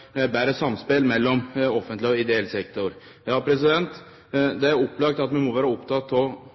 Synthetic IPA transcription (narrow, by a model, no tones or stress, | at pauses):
bæːɾəsɑmspelmɛlːɔmɔfənt̪lɪɔɪd̪ɛɛlsɛkt̪ɔɾ | jɑːpʰɾɛs̬ɪd̪ɛnt̪ | d̪ɛæɾɔpːlɑɡ̚t̪ɑt̪mɛnmɔʋæːɾɑɔpt̪ʰɑt̪ʰːɔ